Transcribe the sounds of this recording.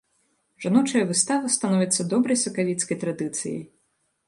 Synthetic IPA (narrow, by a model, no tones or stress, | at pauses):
ʐanɔt͡ʂɐjɐvɨst̪avɐst̪anɔvʲit̪sːɐd̪ɔbɾɐjsɐkavʲit̪skɐjt̪ɾad̪ɨt̪sɨ̰jɐ̰j